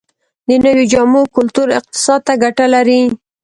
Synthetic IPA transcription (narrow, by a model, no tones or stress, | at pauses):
d̪ənəwid͡ʒɑmukʊlt̪uɾɪq̚t̪ɪ̥sɑd̪̚t̪aɡaʈalaɾi